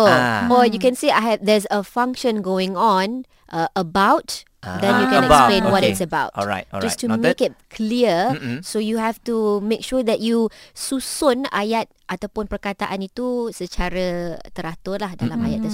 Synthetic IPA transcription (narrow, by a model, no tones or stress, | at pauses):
ɔjukɛ̃nsiaɦɛvd̪ɛzəfãŋkʃə̃nɡoɪ̃ŋɔ̃n | ʔəʔəbawt | d̪ɛ̃njukɛnɛkslẽnwɔtɪsəbawtɔad͡ʒastumekɪt̚kʰliəsojuɦɛftumẽkʃud̪ɛt̚jususʊna̰jat̪̚ʔat̪awpʊnpərkat̪aʔanit̪usət͡ʃaɾət̪əɾat̪ʊlahdalammaja̰t̪̚ːə